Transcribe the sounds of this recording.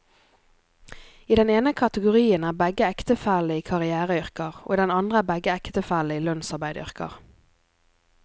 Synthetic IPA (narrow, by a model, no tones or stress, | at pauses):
iːd̪ɛneːnəkʰɑt̪əɡʊʁiːənæːbɛɡəɛkt̪əfæləiːkʰɑʁɪæːʁəʏʁkəʁo̰ːiːd̪ɛnɑnd̪ʁəæːbɛɡəɛkt̪əfæləiːlœnsɑʁbæɪd̪əʏ̰ʁkə̰ʁ